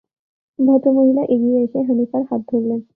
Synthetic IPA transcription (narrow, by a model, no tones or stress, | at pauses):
d̪ʱat̪umoɦilaʔeɡiejɕeɦənifaɾhat̪̚d̪ʱoɾlen